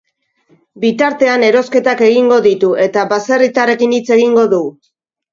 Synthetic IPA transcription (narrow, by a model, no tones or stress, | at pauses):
bit̪aɾt̪e̞ane̞ɾo̞ske̞t̪ake̞ɣiŋɡo̞ðit̪ue̞t̪aβaserit̪aɾe̞kinit͡se̞ɣ̞iŋɡo̞ðu